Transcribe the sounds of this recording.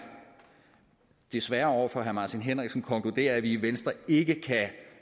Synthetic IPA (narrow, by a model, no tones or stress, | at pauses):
d̥e̝sʋæɐɒʊ̰ɐfɒ̽ɦæmɑ̈ːt͡sʰinɦen̰ʁɛɡ̥sn̩kʰɒ̽ŋkʰlud̥e̝̰ːɐæʋiːʋensd̥ʁɐe̝ɡ̥əkʰæ